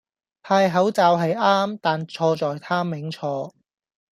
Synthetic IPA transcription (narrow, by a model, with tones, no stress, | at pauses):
pʰaː˧jɦɐ˨˥wt͡saː˨wɦɐ˨jaː˥mt̪aː˨nt͡sʰɔː˧t͡sɔː˨jt̪ʰaː˥mɪ˨˥ŋt͡sʰɔː˧